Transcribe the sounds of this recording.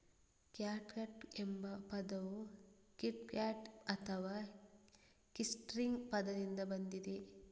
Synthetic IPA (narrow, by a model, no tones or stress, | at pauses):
kjaːʈkɐʈembɐpɐd̪ɐʋukiʈkjaːʈɐt̪ʰɐʋaː | kisʈɾiŋɡpɐd̪ɐd̪ind̪ɐbɐnd̪id̪e